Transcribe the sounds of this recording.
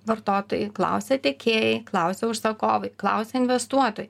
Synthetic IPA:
ʋɐrt̪oːt̪oːjɪklˠɐ̰ʊsʲɛt̪ʲɪkʲeːjɛɪklˠɐʊsʲɛʊʃsɐkoːʋɐjklˠɐ̰ʊsʲɛɪnʲʋʲɛst̪uɔt̪oːjɪ

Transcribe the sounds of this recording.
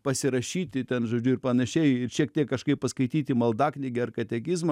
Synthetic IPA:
pɐsʲɪɾɐʃʲiːt̪ʲɪt̪ʲɛnʒoːd͡ʒʲʊɪrpɐnɐʃʲɛɪɪrʃʲiɛk̚t̪ʲiɛkːɐʃkɐɪppɐskɐɪt̪ʲiːt̪ʲɪmɐlˠd̪ɑːknʲɪɡʲɪɐrkɐt̪ʲɛkʲɪzmɐ

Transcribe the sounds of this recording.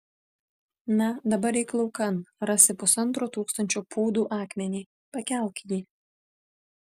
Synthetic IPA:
nɐd̪ɐbɐɾɛɪklˠɔʊkɐnɾɑsʲɪpʊsɐnt̪ɾoːt̪uːkst̪ɐnʲt͡ʃʲoːpʰoːd̪uːʔɑːkmʲɛnʲiː | pɐkʲɛˑlʲˠkʲjiː

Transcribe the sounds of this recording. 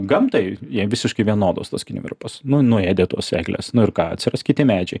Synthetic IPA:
ɡɐmt̪ɐɪjiɛʋʲɪsʲɪʃkɐɪʋʲiɛnoːd̪oːst̪ɐskʲɪnʲɪ̰mʲɛ̰ɾʊpɐsnʊnʊeːd̪ʲeːt̪uɔsḛːɡlʲḛːsnʊɪɾkɑːɐ̰t̪ʲsʲɪɾrɐskʲɪtʲɪmʲæːd͡ʒʲɛɪ

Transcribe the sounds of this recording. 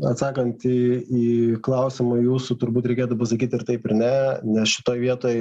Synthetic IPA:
ɐt̪sɑːkɐnt̪iiːklˠɐʊsʲɪmɐjuːsʊt̪ʊɾbuːt̪ɾʲɛɪkʲeːt̪ʊpɐsɐkʲiːt̪ɪɾt̪ɐɪpɪɾnʲɛnʲɛsʃʲɪ̥t̪oːjʋʲiɛt̪oːj

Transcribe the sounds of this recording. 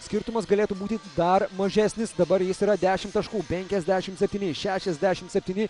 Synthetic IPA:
sʲkʲɪɾt̪ʊmɐs̬ɡɐlʲeːt̪uːbuːt̪ʲɪd̪ɐɾmɐʒʲæsʲnʲɪsd̪ɐbɐɾjɪsiːɾɐd̪ʲæːʃʲɪmt̪ɐʃkuːpʲɛŋʲkʲɛzʲd̪ʲæːʃʲɪmt̪sʲɛpʲt̪ʲiːnʲɪʃʲæːʃʲɛzʲd̪ʲæːʃʲɪmt̪sʲɛpʲt̪ʲiːnʲɪ

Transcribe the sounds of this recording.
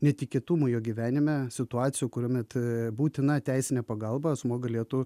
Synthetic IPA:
nʲɛt̪ʲɪkʲeːt̪uːmujoːɡʲiʋʲæːnʲɪmʲɛsʲɪt̪ʊɑːt̪sʲɪjuːkʊɾʲuɔmʲɛt̪buːt̪ʲɪnɐt̪ʲæɪsʲɪnʲɛpɐɡɐlˠbɐsmoːɡɐlʲiɛt̪ʊ

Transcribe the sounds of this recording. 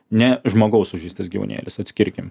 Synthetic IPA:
nʲɛʒmoːɡɐʊsʊʒʲiɪsʲt̪ʲɐsɡʲiːʋo̰nʲḛːlʲɪsɐt̪ʲsʲkʲɪɾʲkʲɪm

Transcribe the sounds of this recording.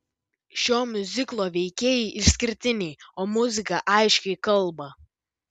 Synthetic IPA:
ʃʲoːmʲʊzʲɪklˠoːʋʲɛɪkʲeːjɛɪʔɪʃsʲkʲɪɾʲt̪ʲɪnʲɛɪoːmʊzʲɪkɐʔɐɪʃʲkʲɛɪkɐlˠbɐ

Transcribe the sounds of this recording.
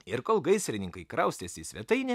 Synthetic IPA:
ɪɾkoːlˠɡɐɪsʲɾʲɪnʲɪŋkɐɪkɾɐʊst̪ʲeːsʲɪsʲʋʲɛt̪ɐɪnʲɛ

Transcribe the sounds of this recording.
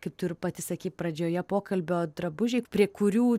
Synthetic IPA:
kɐɪp̚t̪ʊɾʲʊpɐt̪ʲɪsɐkʲiːt̚pɾɐd͡ʒʲoːjɛpoːkɐlʲbʲɛoːd̪ɾɐbʊʒʲɛɪpʲɾʲiɛkʊɾʲuː

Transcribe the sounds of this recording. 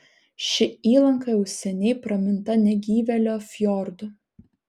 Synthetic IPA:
ʃʲɪiːlˠɐŋkɐjɛʊsʲɛnʲɛɪpɾɐmʲɪnt̪ɐnʲɛɡʲiːʋʲɛlʲoːfʲjɔɾd̪ʊ

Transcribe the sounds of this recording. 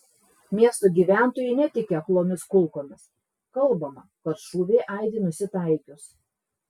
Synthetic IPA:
mʲiɛst̪oɡʲiːʋʲæˑnˑt̪oːjɛɪnʲɛt̪ʲɪkʲɛɐklˠoːmʲɪskʊlˠˑkoːmʲɪs | kɐlˠbɐmɐkɐt̪ʃuːʋʲeːʔɐɪd̪ʲɪːnʊsʲɪt̪ɐˑɪkʲʊs

